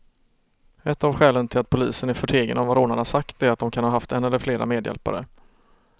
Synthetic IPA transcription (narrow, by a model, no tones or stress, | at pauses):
ɛt̪ːavɧɛːlənt̪ʰɪlat̪pʰʊliːsənæɾfœʈʰeːɡə̰nɔmvaɾoːnaɳasakt̪æɾat̪̚d̪ɔmkʰanɦɑːɦaft̪ɛnːɛlːəɾfleːɾa̰meːd̪jɛ̰lpa̰ɾə̰